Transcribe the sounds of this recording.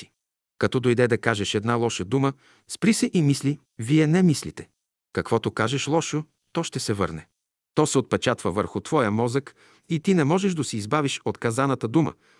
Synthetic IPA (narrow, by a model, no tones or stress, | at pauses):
i̥ | kɐt̪ɔd̪ojd̪ɛd̪ɐkaʒɛʃɛd̪nalˠɔʃəd̪umə | spɾisɛʔimisli | viɛnɛmislit̪ɛ̥ | kɐkv̥ɔt̪okaʒɛʃlˠɔʃo | t̪ɔʃt̪ɛsɛvɤɾnɛ | t̪ɔsɛot̪̚pɛt͡ʃat̪vəvəɾxʊt̪v̥ɔjəmɔzək | it̪inɛmɔʒɛʃd̪ɐsiːzbaviʃot̪kɐzanɐt̪əd̪umə̰